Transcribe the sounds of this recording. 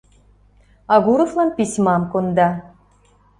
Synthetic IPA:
ɑɣuɾŏflˠɑnpʲisʲmɑmkŏnd̪ɑ

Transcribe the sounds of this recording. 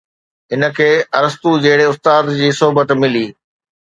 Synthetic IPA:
ɦɪnə̆kʰeːɐɾəst̪ud͡ʑɐɦɪɽeʊst̪aːd̪d͡ʑiːsoɦʊbət̪mɪliː

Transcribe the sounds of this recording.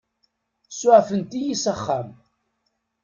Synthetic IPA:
sʊʕfənt̪ijisəχːæm

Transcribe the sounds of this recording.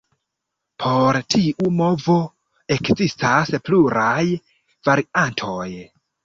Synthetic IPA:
pʰo̞ɾtʰiʔumo̞vo̞ | e̞kzistaspluɾaj | vaɾiantʰo̞j

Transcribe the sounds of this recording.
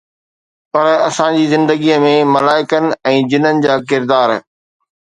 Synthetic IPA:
pɐɾɐsãd͡ʑiːzɪ̃nd̪əɡiːəmẽmɐlaːɪkənɪ̆ɛ̃ːd͡ʑɪnənɪ̆d͡ʑaːkɪɾd̪aːɾ

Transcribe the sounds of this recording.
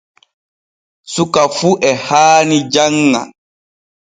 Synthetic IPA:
sukafuʔɛhaːnid͡ʒaŋːa̰

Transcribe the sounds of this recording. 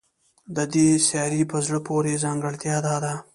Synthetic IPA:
d̪əd̪esjɑɾipəzɽəpʰoɾezɑŋɡəɽt̪jɑd̪ɑd̪a

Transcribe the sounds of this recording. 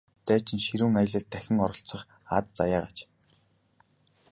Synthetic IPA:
t̪æːt͡ɕɪ̆nʃiɾuːŋajə̆ɮə̆ɮt̪ʰːæxʲɪ̆ŋɔɾɞ̆ɬt͡sə̆χ | at̪̚t͡sajaːʁat͡ɕ

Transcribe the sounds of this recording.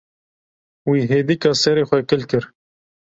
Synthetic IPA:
wiːɦeːd̪ikɑsɛɾeːxʷɛkɪlkɨɾ

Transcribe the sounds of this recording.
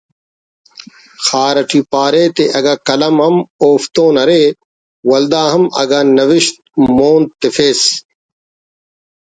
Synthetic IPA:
xaːɾɐʈʰiːpaːɾeːt̪eʔɐɡaːkɐlɐmɦɐmoːft̪õːnɐɾeː | wɐld̪aːɦɐmɐ̰ɡaːnɐʋɪʃt̪̚moːnt̪ɪfeːs

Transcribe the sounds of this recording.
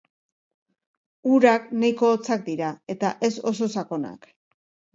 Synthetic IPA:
uɾaknajko̞ːt͡sak̚d̪iɾae̞t̪aʔe̞so̞so̞sako̞na̰k

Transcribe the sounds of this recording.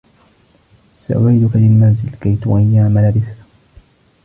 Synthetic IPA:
sa̰ʔʊʕiːd̪ʊkalɪlmaːnzɪlkajt̪ʊʔajːaʕmalabɪθ

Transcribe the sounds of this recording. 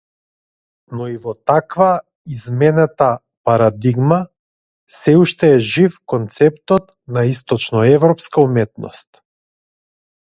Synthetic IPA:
nɔivɔt̪akva | izmɛnat̪a | paɾad̪iɡma | sɛuʃt̪ɛːʒifkɔnt̪sɛpt̪ɔt̪̚ | naist̪ɔt͡ʃnɔɛvɾɔpskaumɛt̪nɔ̰st̪

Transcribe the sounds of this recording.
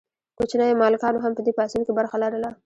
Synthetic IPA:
kot͡ʃnəjomɑlɪkɑnoɦampəd̪epɑsunkebaɾxalaɾəla

